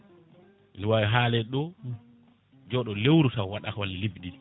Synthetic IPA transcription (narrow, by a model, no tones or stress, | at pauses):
ʔinwawiɦaːlɛɗɔ | d͡ʒɔɗɔlewɾusawwaɗakallibɗil